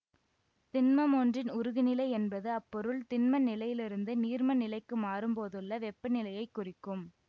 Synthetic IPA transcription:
t̪ɪnmɐmoːndrɪnʊɾɯɣɪnɪlɐɪɛnbɐðɯɐpːɔɾɯlt̪ɪnmɐnɪlɐjɪlɪɾɯnd̪ɯniːrmɐnɪlɐɪkːɯmaːɾɯmpoːðɯɭːɐʋɛpːɐnɪlɐjɐɪkːʊrɪkːɯm

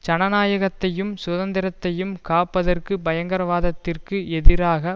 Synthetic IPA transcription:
t͡ʃɐɳɐnaːjɐɣɐt̪ːɐjɯmsʊðɐnd̪ɪɾɐt̪ːɐjɯmkaːpːɐðɐrkɯbɐjɐŋɡɐɾɐʋaːðɐt̪ːɪrkɯɛðɪɾaːɣɐ

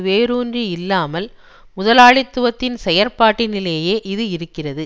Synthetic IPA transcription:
ʋeːɾuːndriɪlːaːmɐl | mʊðɐlaːɭɪt̪ːɯʋɐt̪ːɪnsɛjɐɾpaːʈːɪnɪleːjeːʔɪðɯɪɾɯkːɪrɐðɯ

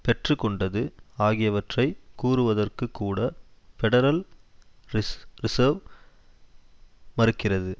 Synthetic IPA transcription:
pɛʈrɯkɔɳɖɐðɯaːɣɪjɐʋɐʈrɐɪkuːrɯʋɐðɐrkɯkːuːɽɐfɛɽɐɾɐl | ɾɪsɐːɾʋ | mɐɾɯkːɪrɐðɯ

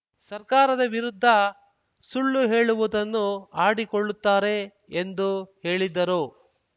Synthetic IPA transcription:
sɐɾkaːɾɐd̪ɐʋiɾud̪ʱːɐ | suɭːuɦe̞ːɭuʋud̪ɐnːuaːɽiko̞ɭːut̪ːaːɾe̞ | end̪uhe̞ːɭid̪ːɐɾu

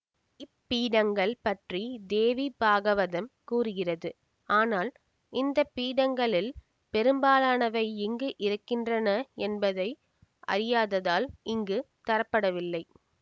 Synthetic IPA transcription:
ɪpːiːɽɐŋɡɐɭpɐʈrid̪eːʋibaːɣɐʋɐðɐmkuːrɯɣɪrɐðɯ | aːnaːl | ɪnd̪ɐpːiːɽɐŋɡɐɭɪl | pɛɾɯmbaːlaːnɐʋɐɪɪŋɡɯʔɪɾɯkːɪndrɐnɐɛnbɐðɐɪ | ʔɐ̰ɾɪjaːðɐðaːlɪŋɡɯt̪ɐɾɐpːɐɽɐʋɪlːɐɪ

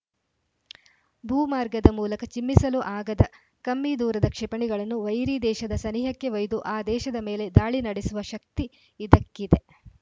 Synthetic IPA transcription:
bʱuːmaːɾɡɐd̪ɐmuːlɐkɐt͡ʃimːisɐluʔaːɡɐd̪ɐ | kɐmːiːd̪uːɾɐd̪ɐkʂɛpɐɳiɡɐɭɐnːuʋɐjɾiːd̪ɛːʃɐd̪ɐsɐniːɦɐkːeʋɐjd̪uʔaːd̪ɛːʃɐd̪ɐmeːle̞d̪aːɭinɐɽesuʋɐʃɐk̚t̪iː | d̪ɐkːid̪e̞

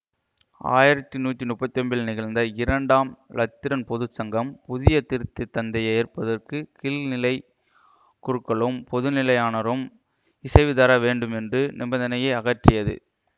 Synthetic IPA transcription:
a̰ːjɪɾɐt̪ːɯnuːʈːinʊpːɐt̪ːɐmbɪlnɪɣɐɭnd̪ɐɪɾɐɳɖaːmlɐt̪ːɪɾɐnpɔðɯsɐŋɡɐmpʊðɪjɐt̪ɪɾɯt̪ːɯt̪ːɐnd̪ɐjɐjɪrpɐðɐrkɯkɪlnɪlɐɪ | kʊɾɯkːɐɭɯmpɔðɯnɪlɐjaːnɐɾɯm | ɪsɐɪʋɪðɐɾɐʋeːɳɖɯmɛndrɯnʔɪbɐnd̪ɐnɐjɐɪɐɣɐʈrɪjɐðɯ̰

